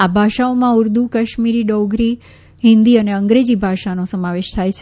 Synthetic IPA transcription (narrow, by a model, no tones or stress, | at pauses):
abʱaʃaomãuɾd̪ukəʃmiɾiɖɔɡɾi | ɦɪ̃nd̪iəneəŋɡɾed͡ʑibʱaʃanosəmaʋeʃt̪ʰajt͡ʃʰ